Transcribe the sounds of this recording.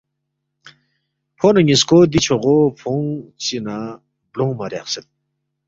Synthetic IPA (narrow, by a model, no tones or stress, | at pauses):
pʰonaɲiskod̪it͡ɕʰoʁopʰoŋt͡ɕina | bloŋmaɾaχsət̪̚